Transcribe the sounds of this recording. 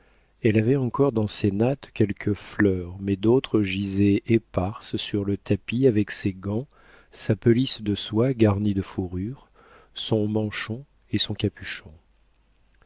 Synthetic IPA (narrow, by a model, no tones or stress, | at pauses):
ɛlavɛɑ̃kɔʁd̪ɑ̃senat̪kʲɛlkʰəflœʁmɛd̪ot̪χəʒizeʔepaʁssyʁlət̪apiavɛkseɡɑ̃ | sapɔlisd̪əswaɡaʁnid̪əfuʁyʁ | sɔ̃mɑ̃ʃɔ̃ | esɔ̃kapyʃɔ̃